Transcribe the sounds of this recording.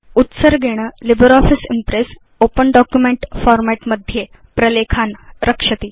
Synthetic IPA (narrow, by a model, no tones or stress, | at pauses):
ut̪səɾɡʱeɽ̃əːlibəɾɔfisimpɾes | opəɳɖɔkjumeɳʈfɔɾmæʈməd̪ʱːje | pɾəlekʰanɾəkʂət̪iː